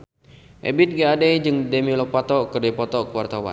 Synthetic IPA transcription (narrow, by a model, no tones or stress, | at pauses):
ʔɛ̰bit̪̚ɡaadɛjd͡ʒɨŋdɛmilɔpat̪ɔkərdipɔt̪ɔkəwart̪awa̰n